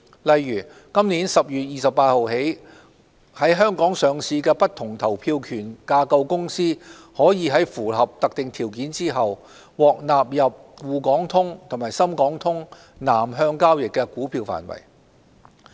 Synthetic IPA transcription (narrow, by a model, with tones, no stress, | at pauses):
lɐ˨jːyː˨˩ | kɐ˥mniː˨˥nsɐ˨p̚jyː˨t̚jiː˨sɐ˨p̚ːaː˧t̚ho˨wɦe˨˥j | hɐ˨˥jɦœː˥ŋkɔː˨˥ŋsœː˨˧ŋsiː˧kɛː˧pɐ˥t̚t̪ʰʊ˨˩ŋt̪ʰɐ˨˩wpʰiː˧wkʰyː˨˩nkaː˧kɐ˧wkʊ˥ŋsiː˥ | hɔː˨˥jiː˨˧ɦɐ˨˥jfuː˨˩ɦɐ˨p̚t̪ɐ˨k̚t̪ɪ˨ŋt̪ʰiː˨˩wkiː˨˥nt͡siː˥ɦɐ˨w | wɔː˨k̚naː˨p̚jɐ˨p̚wuː˨kɔː˨˥ŋt̪ʰʊ˥ŋt̪ʰʊ˨˩ŋmaː˨˩jsɐ˥mkɔː˨˥ŋt̪ʰʊ˥ŋ | naː˨˩mɦœː˧ŋkaː˥wjɪ˨kːɛː˧kuː˨˥pʰiː˧wfa̰ː˨˩nwɐ̰˨˩j